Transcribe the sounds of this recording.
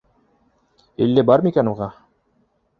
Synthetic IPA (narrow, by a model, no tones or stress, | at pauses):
ḭlːɘbɑɾmikænuʁɑ